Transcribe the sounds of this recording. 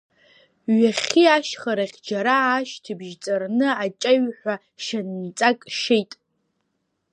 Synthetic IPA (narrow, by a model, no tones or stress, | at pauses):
ɥaχʲiaʃχaɾaχʲd͡ʒaɾaːʃtʰɨbʒt͡sʼarnɨat͡ʃʼaɥħʷa | ʃanːit͡sʼakʼʃejtʼ